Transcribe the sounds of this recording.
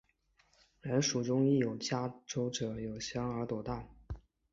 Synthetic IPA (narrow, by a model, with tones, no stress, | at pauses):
ɻə˧˥nʂu˨˩ʈ͡ʂʊ˥ŋi˥˩jo˨˩ʊt͡ɕja˥ʈ͡ʂo˥ʊʈ͡ʂɤ˨˧˥jo˨˩ʊɕjɑ˥ŋə˞˧˥t̪o˨˩ʊt̪a˥˩